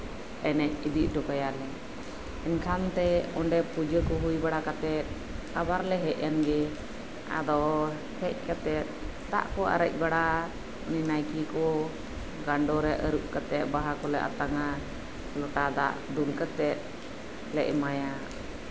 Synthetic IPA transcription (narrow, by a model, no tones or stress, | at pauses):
ɛnɛc̚id̪iʔ̚ˀɖɔkajalɛ | ɛnkʰant̪ɛɔɳɖɛpud͡ʒəkɔɦujbaɽakat̪ɛt̪̚ | abaɾlɛɦɛʔjanɡɛ | a̰d̪ɔ | hɛc̚ˀkat̪ɛt̪̚ | t̪a̰ʔkɔʔa̰ɾəc̚ˀbaɽa | uninajkikɔ | ɡaɳɖɔɾɛʔəɾuʔ̚kət̪ɛt̪̚baɦakɔlɛʔa̰t̪aŋa | lɔʈad̪a̰ʔd̪ulkət̪ɛt̪̚ | lɛ̰ʔmaja